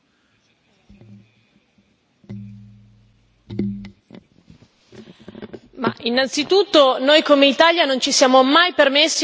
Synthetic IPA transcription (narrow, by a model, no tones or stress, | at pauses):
ma̰ʔinːant̪sit̪ut̪ːonojkomeit̪aljanont͡ʃisjaːmomajpermesːi